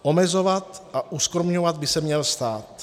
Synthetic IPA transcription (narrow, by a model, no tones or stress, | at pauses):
ʔo̞mɛzo̞vat̪ʔaʔuskɾomɲovad̪̚bɪsɛmɲɛlst̪aːt̪